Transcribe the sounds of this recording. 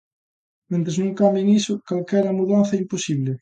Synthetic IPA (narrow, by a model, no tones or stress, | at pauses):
mẽnt̪ɾeznũŋkambjeŋisʊkalkɛɾɐmuðanθɛimposiβlɪ